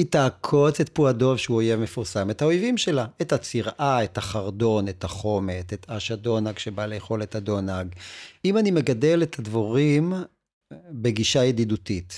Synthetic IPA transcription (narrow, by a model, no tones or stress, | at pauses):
itaːkʰo̞t͡setpuado̞vʃeuojevme̞fuʁsamethaojvimʃe̞laethat͡siʁʔaethaχaʁdo̞ne̞thaχo̞me̞tet̪ʰaʃado̞naɡʃebaleeχo̞lethado̞naɡimanime̞ɡade̞lethadvoʁim | be̞ɡiʃajedidutit